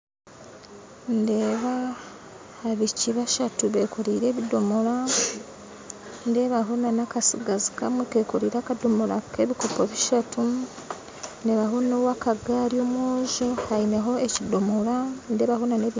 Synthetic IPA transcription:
ndeːβaː | βiciβaʃatuβe̞koɾiːɾe̞ːβidomoɾa | nde̞ːβaɦonanakasiɡazi̥kamweke̞ːkoɾiːɾakadomoɾa̰keβikopoβiʃatu | nde̞ːβaɦonowakaɡaːɾiomwoːʒohaine̞ɦo̞ecidomoɾandeːβaɦonaneβi

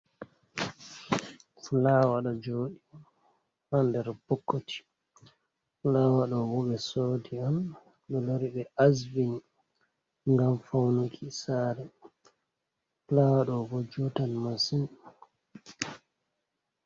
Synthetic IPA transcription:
fulawaɗɔd͡ʒoːɗi | handɛɾpɔkːotʰi̥ | fulaːwaɗɔwɔɓɛsoːdiam | ɗɔloɾiɓɛʔasviɲ | ŋɡamfawnukʰisaːɾɛ | flawaɗɔwɔd͡ʒutanmasin

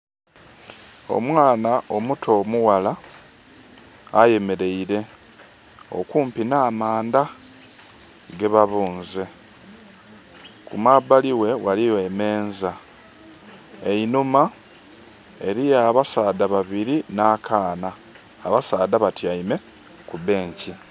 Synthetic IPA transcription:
o̞̰mwaːnao̞mutʰo̞ːmuwala | je̞me̞ɾe̞iɾe̞ | o̞̰kuːmpinaːmaːnda | ɡe̞βaβuːnze̞ | kṵmabaliwe̞walije̞me̞ːnza | einuma | e̞ɾijaːβasaːdaβaβiɾinaːkʰaːnaː | βasaːdaβatiaime̞ | kuβe̞ːɲci

